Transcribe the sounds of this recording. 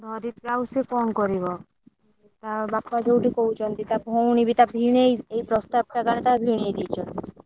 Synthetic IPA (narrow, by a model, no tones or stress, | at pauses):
d̪ʱɔɾit̪ɾawsekɔmkoɾiβɔ | t̪abapːad͡ʒowʈikowt͡ʃʰɔnt̪it̪abʱownibit̪abʱinejejpɾost̪ab̚ʈaɡaɾet̪abʱiñed̪ijt͡ɕʰɔn